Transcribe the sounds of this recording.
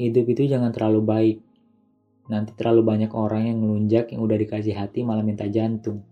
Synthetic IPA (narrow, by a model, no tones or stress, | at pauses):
hidʊpit̪ud͡ʒaŋant̪ərlalubaɪk̚ | nant̪i̥t̪əɾlalubaɲakoɾaŋjaŋməluɲd͡ʒakja̰ŋudahdikas̬iɦat̪imalamint̪ad͡ʒant̪ʊŋ